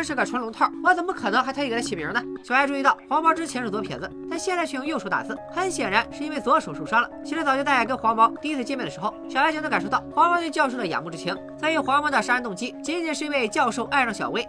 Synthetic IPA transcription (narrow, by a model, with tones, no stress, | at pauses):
a˥˧ʂɻ̩˥˧ka˩ʈ͡ʂʰwa˧˥nlʊ˧˥ŋt̪ʰɑ˥˩wɔ˧˥t͡sə˨˩nmə˦kʰɤ˨˩nɤ˧˥ŋxa˧˥ɪt̪ʰa˥i˧˥˩ə˥t͡ɕʰi˨˩mjḭ˧˥nə˧ɕja˧˥ʈ͡ʂu˧i˧˥t̪ɑ˥˩ʊxwa˧˥mɑ˧˥ʈ͡ʂɻ̩˥t͡ɕʰjɛ˧˥nʂ̩o˥˩t͡swɔ˥pʰjɛ̰˧˥nd͡zə˧t̪a˥˧nɕjɛ˥˧nt͡sa˥˧t͡ɕʰɛ˥˧jʊ˥˧jo˥˧ʂo˧˥ʊt̪a̰˨˩t͡sɹ̩˥˩xə˧˥nɕjɛ˨˩nɻa˧˥nʂɻ̩˥˩i˥nwe˥˩ɪt͡sɔ˧˥ʂo˨˩ʊʂu˥˩ʂɑ˥ŋlə˨t͡ɕʰi˧˥ʂɻ̩˧˥t͡sɑ˨˩t͡ɕo˥˧t̪a˥˧˩a˥˩kə˥nxwa˧˥mɑ˧˥ʊt̪i˥˧i˥t͡sʰɹ̩˥˧t͡ɕjɛ˥˧mjɛ˥˩nd̪ʂɻ̩˧˥xo˥˧ʊɕjwt͡ɕno˥ka˨˩nʂo˥t̪ɑ˥˩ʊxwa˧˥mɑ˧˥t̪we˧jɑ˥˧ʊʂo˥˩ʊd̪ə˩ja̰˨˩˦mu˥˩ʈ͡ʂɻ̩˥t͡ɕʰɛ˧˥n | swɔ˧˥i˧˥xwa˧˥mɑ˧˥d̪ə˧ʂa˥˧˥nt̪ʊ˥˩ŋt͡ɕi˥t͡ɕɛ˧˥i˥˩jɛ˧˥nʂɻ̩˥˧˥we˥˧ɪt͡ɕjɑ˥˧ʊʂo˥˧ʊʔa˥˧ɪʂɑ˥˩ŋɕjɑ˨˩we˥ɪ